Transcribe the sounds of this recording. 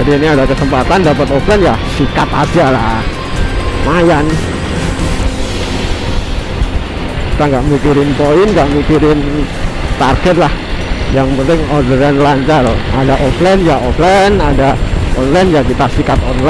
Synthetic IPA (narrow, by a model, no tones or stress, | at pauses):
adiːniadakəsəmpat̪andapət̪ɔplɛnjasikat̪a̰d͡ʒala̰ | majan | ja | ki̥t̪aŋɡaʔmikiɾɪnpoɪnŋɡaʔmikiɾɪn | t̪arɡɛt̪̚lahjaŋpənt̪ɪŋɔdəɾɛnlaɲt͡ʃaradaʔɔflɛnjaʔɔflɛnadaɔnlajnjakit̪aʔsikat̪ɔnla